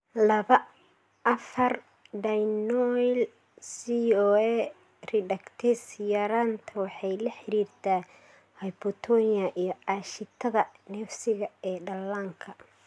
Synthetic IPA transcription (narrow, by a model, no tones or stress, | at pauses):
lɐβɐ | ɐfɐr | ɖɐjnɔl | siɔɛ | rɪdɐkt̪ʰɛsjɐɾaːnt̪ʰɐwɑħɑjlɐħɪɾiːrt̪ʰaː | hɐjbɔt̪ʰɔniɐʔijɞɑːʃɪt̪ʰɐðɐnɛːfsɪɣɐɛːɖɐlːaːŋkʰɐ